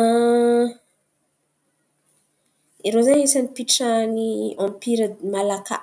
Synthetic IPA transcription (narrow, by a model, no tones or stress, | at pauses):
iɾozaɲisanipiʈ͡ʂaniɔ̃mpiɾəmalaka̰